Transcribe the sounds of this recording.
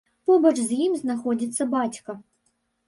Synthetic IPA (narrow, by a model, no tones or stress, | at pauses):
pɔbɐt͡ʂzʲjimznaxɔd͡zʲit̪sːɐbat͡sʲkɐ